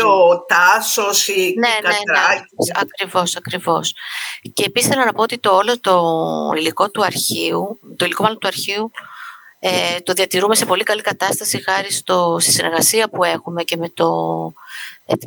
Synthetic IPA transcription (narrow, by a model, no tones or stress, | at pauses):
ot̪ɐsosineeɐsɐkɾivo̞sɐkɾivo̞sce̞ːpisθe̞lɐnɐpoot̪it̪oolot̪oiliko̞t̪uɐɾçiut̪oiliko̞mɐlo̞nt̪uɐɾçiu | et̪o̞ðiɐt̪iɾume̞se̞po̞likɐlikɐt̪ɐst̪ɐsixɐɾist̪o̞st̪i̥sinʔe̞ɾɣɐsiɐpue̞xume̞ce̞me̞t̪o̞ | e